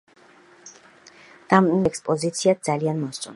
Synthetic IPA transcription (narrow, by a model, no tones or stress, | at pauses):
d̪̥amʼɛkspʼɔzit̪sʰiat̪̚d̪zalianmɔst̪sʼɔ̰n